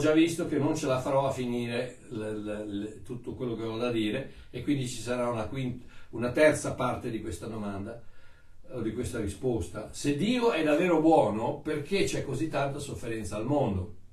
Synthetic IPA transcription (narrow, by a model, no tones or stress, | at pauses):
d͡ʒavːist̪okenːont͡ʃelafaɾɔafːiniːɾe | l | t̪ut̪ːokwelːokeɔd̪ad̪iːɾe | ekːwind̪it͡ʃi̥saɾaunakwint̪unat̪ɛrt̪sapart̪ed̪ikwest̪ad̪omand̪a | od̪ikwest̪aɾispost̪ased̪iːoɛd̪avːeːɾobwɔːnoperket͡ʃɛkːozit̪ːant̪asofːeɾɛnt̪saːlmond̪o